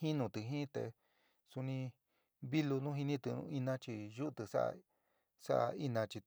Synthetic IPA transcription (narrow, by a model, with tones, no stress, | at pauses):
hĩ˦nũ˧t̪ɨ˧ɦĩ˦t̪ḛ˧ | su˧nĩ˧ | βi˦lu˧nũ˦ɦi˧nĩ˦t̪u˧ṵ̃˧i˧nã˧˦t͡ʃi˧ʒu˦˧t̪ɨ˧sa̰˦ʔa̰˧ | sa̰˦ʔa̰˧i˦nã˧t͡ʃi˧